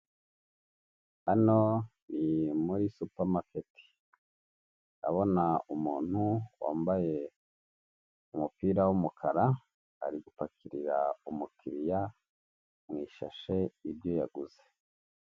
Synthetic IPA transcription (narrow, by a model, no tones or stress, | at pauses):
ano̞nimuɾisupamaketʰi̥ | a̰βo̞naumuːn̥huwa̰ːmbaje̞ | umupiːɾawumukʰaɾa | a̰ɾiɡupakʰiɾiɾaumukʰiɾija | mŋiːʃa̰ʃe̞ibjo̞jaɡuze̥